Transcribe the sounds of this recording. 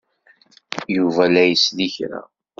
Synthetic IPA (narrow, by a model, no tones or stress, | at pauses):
juvælæjəsliçɾæ̰